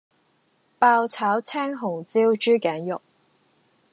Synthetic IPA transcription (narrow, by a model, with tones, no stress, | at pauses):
paː˧wt͡sʰaː˨˥wt͡sʰɛː˥ŋɦʊ˨˩ŋt͡siː˥wt͡ʃyː˥kɛː˨˥njʊ˨k̚